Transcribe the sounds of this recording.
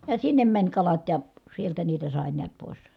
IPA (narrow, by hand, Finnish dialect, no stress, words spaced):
jɑ sinːem mænʲ kɑlɑt jɑ sieltæ niːtæ sɑˑe niæt poˑi̯s